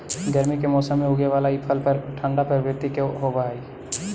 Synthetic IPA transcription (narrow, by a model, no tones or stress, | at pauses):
ɡəɾmikemɔːsəmːẽɦoɡeʋaːlaipʰəlpəɾʈʰə̃ɳɖapəɾbɪt̪ikeɦobai